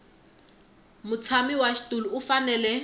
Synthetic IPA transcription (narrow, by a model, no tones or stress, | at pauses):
mut͡sʰamiwaʃi̥tʼuluːfanɛlɛ